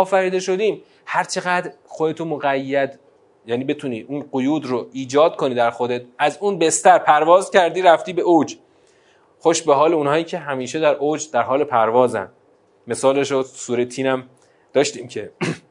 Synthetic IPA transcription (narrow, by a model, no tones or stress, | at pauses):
ɒːfæɾiːd̪e̞ʃo̞d̪iːm | hæɾt͡ʃʰe̞ɣæd̪ɾxod̪e̞t̪ʰomoɣæjːæd̪ | jæːniːbe̞t̪ʰuniːʔuːnɢojuːd̪roiːd͡ʒɒːd̪̚kʰoniːd̪æɾxod̪e̞t̪̚ʰæzuːnbe̞st̪æɾpʰæɾvɒːzcʰæɾd̪iːɾæft̪iːbe̞ʔod͡ʒ | xoʃbe̞ɦɒːleuːnhɒːiːcʰe̞ɦæmiːʃed̪æɾʔoːd͡ʒd̪æɾɦɒːle̞pʰæɾvɒːzæ̰nd̪ | me̞sɒːle̞ʃosuːɾet̪ʰiːnæm | d̪̥ɒːʃt̪iːmcʰe̞